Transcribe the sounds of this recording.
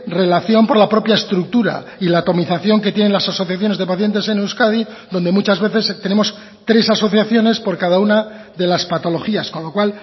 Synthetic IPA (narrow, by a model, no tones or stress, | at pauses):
re̞laθjo̞mpo̞ɾlapɾo̞pjaest̪ɾuk̚t̪uɾa̰ilaːt̪o̞miθaθjo̞ŋke̞t̪jene̞nlasaso̞θjaθjo̞ne̞zðe̞paθje̞nt̪e̞se̞newskaði | ðo̞nd̪emut͡ʃazβe̞θe̞st̪e̞ne̞mo̞s | t̪ɾe̞saso̞θjaθjo̞ne̞spo̞ɾkaðauna | ðe̞laspat̪o̞lo̞xiaskonlo̞kwal